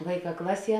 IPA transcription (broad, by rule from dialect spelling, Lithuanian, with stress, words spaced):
ˈʋɐɪˌkɑː ˈklˠɑːˌsʲiɛ